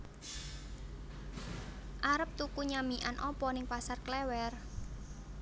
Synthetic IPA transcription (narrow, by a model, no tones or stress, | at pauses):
ʔaɾəp̚t̪ukuɲamiʔa̰nʔɔpɔnɪŋpasarklɛwɛr